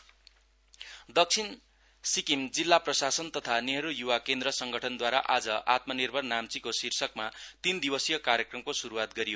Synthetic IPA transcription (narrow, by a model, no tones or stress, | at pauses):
d̪ʌk̚t͡sʰin | sikimd͡zilːaprʌsasʌnt̪ʌt̪ʰaneɦɾojuwakend̪ɾʌsʌŋɡʌʈʰʌnd̪waɾa̰ʔad͡zʌʔa̰t̪̚mʌnirbʱʌrnamt͡sikosirsʌkmat̪ind̪ibʌsijʌkaɾjʌkrʌmkosuɾuwat̪ɡʌɾiɦo